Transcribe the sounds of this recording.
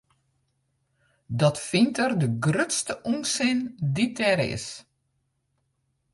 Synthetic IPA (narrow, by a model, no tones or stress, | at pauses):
dɔtfintʰərdəɡrøtstəʔunsɪnditʰɛɾɪ̰s